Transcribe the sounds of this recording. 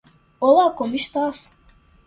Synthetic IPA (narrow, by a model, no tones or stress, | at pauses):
olˠakomiʃt̪as